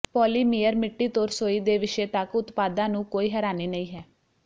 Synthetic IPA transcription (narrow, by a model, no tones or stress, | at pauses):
pɔːliːmiːəɾmɪʈːiːt̪oːɾsoːiːd̪eːʋɪʃeːt̪əkʊt̪paːd̪ãːnũːkoːiːɦɛːɾaːniːnəĩːɦɛː